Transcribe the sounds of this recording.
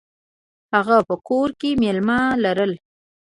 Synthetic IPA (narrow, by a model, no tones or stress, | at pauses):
haɣapəkoɾkemelmɑlaɾəl